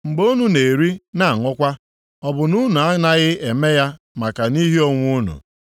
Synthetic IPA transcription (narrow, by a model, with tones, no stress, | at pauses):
ŋ͡m̩˨ɡ͡bo˦nu˦ne˨ɾi˦na˦˨ŋʷʊ˦kʷa˦ | ɔ˨bʊ˨nu˦nu˨a˦na˦ɣɪ˦e˨me˦ja˦ | ma˨ka˨ni˦ɦi˦o˦ŋʷu˦nṵ˨